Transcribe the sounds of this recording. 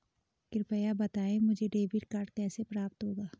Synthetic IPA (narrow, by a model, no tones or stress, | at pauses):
kɪɾpəjabɐt̪aːẽmʊd͡ʒʱeɖeːbɪɾkɐɾʈkɛːsepɾaːp̚t̪ɦoːɡaː